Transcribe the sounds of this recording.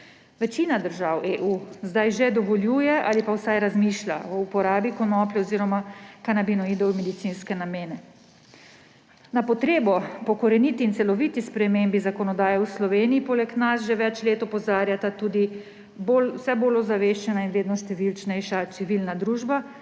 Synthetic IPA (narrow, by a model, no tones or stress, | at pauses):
ʋɛt͡ʃiːnad̪əɾʒaweːʔuːzd̪ajʒɛd̪ɔʋɔljuːjɛʔa̰lipawsajɾazmiːʃlʲa̰ɔupɔɾaːbikɔnɔplɛɔziːɾɔmakanabinɔid̪ɔwmɛd̪it̪siːnskɛnameːnɛ | napɔt̪ɾeːbɔpɔkɔɾɛnit̪iːnt̪sɛlɔʋit̪ispɾɛmeːmbizakɔnɔd̪aːjɛwslɔʋeːniːpolɛknasʒɛʋɛt͡ʃleːt̪ɔpɔzaːɾjat̪at̪uːd̪i | bolwsɛboːlɔzaʋeːʃt͡ʃɛnainʋeːd̪nɔʃt̪ɛʋilt͡ʃnɛjʃat̪siʋiːlnad̪ɾuːʒba